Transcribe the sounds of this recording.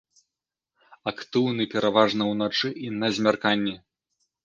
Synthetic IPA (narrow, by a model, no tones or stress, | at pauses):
akt̪ɨwnɨpʲɛɾʔavaʐnɐwnat͡ʂɨʔinɐzʲmʲarkanʲːɛ